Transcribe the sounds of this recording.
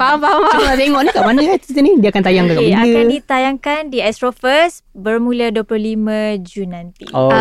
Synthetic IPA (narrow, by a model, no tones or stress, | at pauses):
papapaat̪eŋɔʔnikaʔmanəat̪it̪ənidiakant̪ajaŋkakaiɡaəkit̪ajaŋkandiɛst̪ɾofəsbərmuləduəplohlimə̃d͡ʒunːãnt̪ḭo